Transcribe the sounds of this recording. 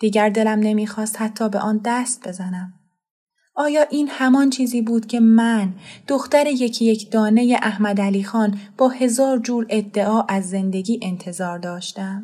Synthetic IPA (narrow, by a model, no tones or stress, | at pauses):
d̪̥iːɟæɾd̪e̞læmne̞miːxɒːst̪hæt̪ʰːɒːbe̞ʔɒːnd̪æst̪̚be̞zænæm | ʔɒːjɒːʔiːnhæmɒːnt͡ʃʰiːziːbuːd̪̥cʰe̞mænd̪̥oxt̪æɾe̞je̞cʰije̞cʰd̪̥ɒːne̞je̞ʔæhmæd̪æliːxɒːnb̥ɒːhe̞zɒːɾd͡ʒuːɾe̞d̪ːe̞ʔɒːʔæzːe̞nd̪e̞ɡiːʔe̞nt̪ʰe̞zɒːɾd̪ɒːʃt̪æm